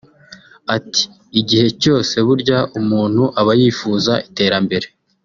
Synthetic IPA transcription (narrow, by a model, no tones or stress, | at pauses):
ati̥ː | ɟihe̞co̞ːse̞βuɾɟaʔumuːn̥huʔaβajiːfuːzaite̞ːɾambe̞ɾe